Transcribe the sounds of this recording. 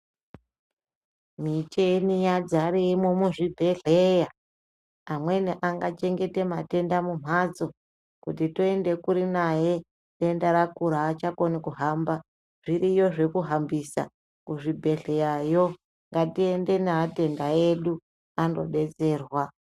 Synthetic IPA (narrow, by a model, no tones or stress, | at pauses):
mit͡ʃenijad͡zaɾeimomuʐibʱe̞ɮeja | amwe̞niʔaŋɡat͡ʃe̞ŋɡe̞te̞mate̞ndamum̤ʱad͡zo̞ | kutitoende̞kuɾinaje | ɗe̞ndaɾakuɾaːt͡ʃako̞nikuɦamba | ʐ̥iɾijo̞ʐe̞kuɦambisa̰ | kuʐibʱe̞ɮe̞jajo | ŋɡatie̞nde̞naːte̞ndaje̞ɗu | ando̞̰ɗe̞t͡se̞ːrwa